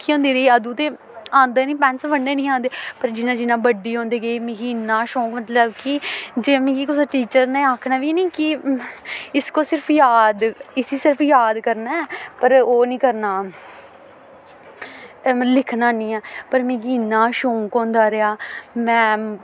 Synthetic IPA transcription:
kʰiːɦõːnd̪iːɾəiːəd̪ũːt̪eː | ãːnd̪eːnĩːpɛ̃ːnsʋəɳɖeːnĩːãːnd̪eːpəɾd͡ʒɪnãːd͡ʒɪnãːbəɖiːɦõːnd̪eːɡəiːmɪɡiːnːãːʃõːkmət̪ləbkɪd͡ʒeːmẽːkiːkʊsʈiːt͡ʃəɾnẽːaːkʰnaːʋiːnĩːkɪ | ɪskoːsɪɾpʰjaːd̪ɪsiːsɪɾpʰjaːd̪kəɾnaːɛːpəɾoːnĩːkəɾnaː | lɪkʰnaːnĩːɛːpəɾmẽːɡiːnːãːʃõːkõːnd̪aːɾɪaːmɛ̃ː

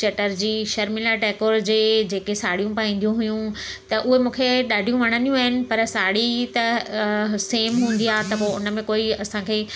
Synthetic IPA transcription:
t͡ɕɐʈəɾd͡ʑiːʃɐɾmilaʈɛːkoːɾd͡ʑeːd͡ʑeːkesaːɽ̤ijũpaːĩːnd̪ijũɦʊjũ | t̪ɐʔʊɦemũːkʰeɗaːɖʱijũʋɐɽ̃ənijũaːɦɪnɪ̆pɐɾsaːɽit̪ɐ | seːmɦũːn̆d̪ijaːɦt̪ɐpoʊnəmẽkoːiɐsãkʰeː

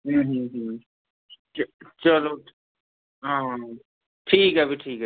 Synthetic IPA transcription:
ɦuɦĩɦ | t͡ʃəlo | ɦãɦã | ʈʰiːkɛbʱiʈʰiːk

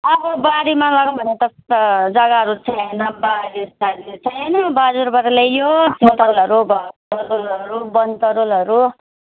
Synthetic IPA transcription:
ʌbʌbaɾimalʌɡbʱʌnet̪ʌst̪ʌd͡zʌɡaʌɾut͡sʰʌnʌbaɾist̪adit͡sʰʌnʌbad͡zuɾbʌɾlejjoset̪ʌlʌɾuɡʱʌtʌɾulʌɾubʌnt̪ʌɾulʌɾu

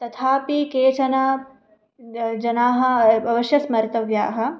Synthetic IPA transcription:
t̪ɐt̪ʰaːpikeːt͡ʃɐnaː | d͡ʒɐnaːɦɐ̆ɐʋɐʃjɐsmɐɾt̪ɐʋjaːɦɐ̆

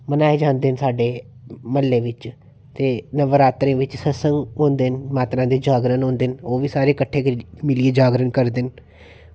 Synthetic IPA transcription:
mənaːed͡ʒãːnd̪eːnsaːɖeː | məlːeːʋɪt͡ʃ | t̪eːnəʋəɾaːt̪ɾẽːʋɪt͡ʃsəsəŋɡɦõːnd̪eːnmaːt̪ɾãːd̪eːd͡ʒaːɡɾənɦõːnd̪ɪnoːʋiːsaːɾeːkəʈʰːeːkmɪlieːd͡ʒaːɡɾənkəɾd̪ɪn

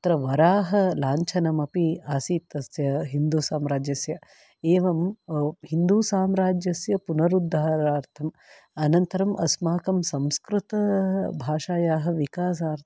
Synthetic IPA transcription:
t̪ɾɐʋɐɾaːɦɐlaːɲt͡ʃʰɐnɐmɐpiaːsiːt̪ːɐsjɐɦind̪uːsaːmɾaːd͡ʒjɐsjɐ | eːʋɐmhind̪uːsaːmɾaːd͡ʒjɐsjɐpunɐɾud̪ʱːaːɾaːɾt̪ʰɐm | ɐnɐnt̪ɐɾɐmʔɐsmaːkɐmsɐmskɾut̪ɐbʱaːʂaːjaːɦɐ̆ʋikaːs̬aːɾt̪

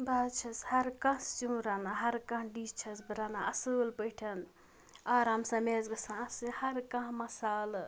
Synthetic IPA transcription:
baːt͡ʃʰɐshɐɾkɐ̃st͡ʃũɾaːnaɦɐɾkɐ̃ɦɖiːst͡ʃʰɐsbɨɾaːnaʔɐsɨlpəjʈʰɐn | aːɾaːmsɐ̃meːzɡɐsãɐsɨhɐɾkɐ̃ɦmɐsaːl

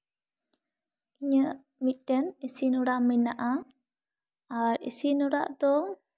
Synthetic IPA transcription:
iɲəʔ | mitənisinuɾaʔminaʔa | aɾḭsinuɾa̰ʔd̪ɔ

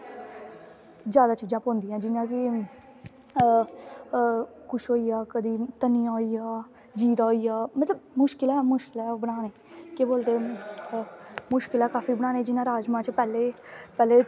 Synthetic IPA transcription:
zjaːd̪aːt͡ʃiːd͡ʒãːpɔ̃ːnd̪iːãːd͡ʒɪnãːkɪ | kʊʃɦoːiːjaːkəd̪iːt̪əniːaːiaː | d͡ʒiːt̪aːijaːmət̪ləbmʊʃkɪlɛːmʊʃkɪlɛːbənaːneː | keboːld̪eː | mʊʃkɪlɛːkaːfiːbəɽ̃aːneːd͡ʒɪnãːɾaːd͡ʒmãːt͡ʃpɛːleːpɛːleː

